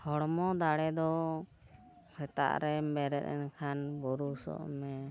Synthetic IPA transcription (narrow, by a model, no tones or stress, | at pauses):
hɔɽmɔd̪aɽɛd̪ɔ | hɛt̪a̰ʔɾɛmɛɾɛ̰ɾɛ̰nkʰanbɔɾusɔ̰ʔmɛ